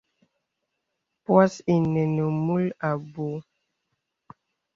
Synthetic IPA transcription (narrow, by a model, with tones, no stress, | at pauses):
pwa˦si˨nə˨nə˨mu˦la˨bo˨˦